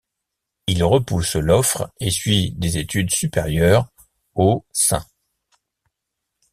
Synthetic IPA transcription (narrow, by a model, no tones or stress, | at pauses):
ilʁəpuslɔfχesɥid̪ezet̪yd̪sypeʁjœʁ | osɛ̰̃